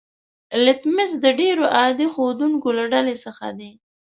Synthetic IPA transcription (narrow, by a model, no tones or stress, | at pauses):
lɪt̪mɪsd̪əɖeɾoʔɑd̪ixod̪uŋkolaɖalesəxa̰d̪i